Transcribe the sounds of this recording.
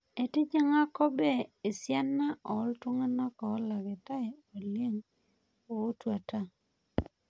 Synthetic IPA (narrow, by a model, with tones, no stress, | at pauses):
e˨tɪ˦d͡ʒa˦ŋa˦kɔ˦be˦˨e˨sja˦nːa˦ʔɔ˨˦ltwʊ˦ŋa˦nɔ˦kɔː˨˦la˨ɡɪ˨ta˦ɛ˦˨o˨le˦ŋ | o˨o˦twa˨ta˦